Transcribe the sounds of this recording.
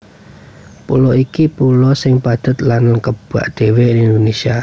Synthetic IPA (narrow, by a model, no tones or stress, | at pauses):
pṵlɔikipulɔsɪŋpad̪̥ə̤t̪lankəb̥a̰ʔd̪̥ewenind̪onesia